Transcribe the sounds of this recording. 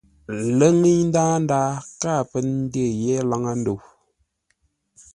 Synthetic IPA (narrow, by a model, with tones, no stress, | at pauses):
lə˦ŋi˦ɲn˦daː˦n˦daː˦kaː˦˨pə˦n˦de˦˨jɛ˦la˦ŋa˦n̩˦do˨w